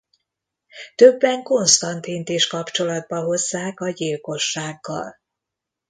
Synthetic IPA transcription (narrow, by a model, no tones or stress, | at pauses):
t̪ø̞bːɛŋko̞nst̪ɒnt̪int̪iʃkɒpt͡ʃo̞lɒd̪̚bɒɦo̞zːaːkɒɟilko̞ʃːaːɡːɒ̰l